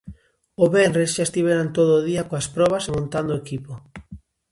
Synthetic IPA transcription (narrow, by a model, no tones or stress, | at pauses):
oβɛnresʃaest̪iβeɾant̪oðoːðiakoaspɾɔβ̞asemõnt̪and̪oekipo